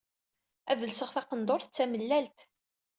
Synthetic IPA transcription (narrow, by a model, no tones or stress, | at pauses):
æðəlsəʁθɑqənd̪ˤoɾθt͡sːæməlːælt̪